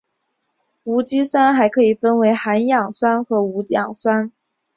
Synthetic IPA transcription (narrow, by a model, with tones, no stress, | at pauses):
u˧˥t͡ɕi˥swa˥nxa˧˥ɪkʰɤ˧˥i˨˩fə˥nwe˧˥ɪxa˧˥njɑ˨˩ŋswa˥nxɤ˧˥u˧˥tjɑ˨˩ŋswa˥n